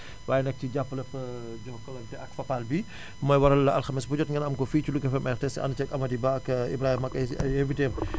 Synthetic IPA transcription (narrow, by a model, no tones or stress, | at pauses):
waːjɛnɛk̚ciɟapːəlɐpːɐ | ɟɔhkːɐlɔntɛɐkfɐpalbi | mɔːjwɐɾɐlːɐɐlxɐmisbuɟɔtŋɡɐnɐmkɔfiːt͡ʃuluɡɐfɛmʔɛrtɛsʔɐ̰ndt͡ʃɐkɐmɐdibaɐkḭbɾaːhimɐkɐɐeviteːm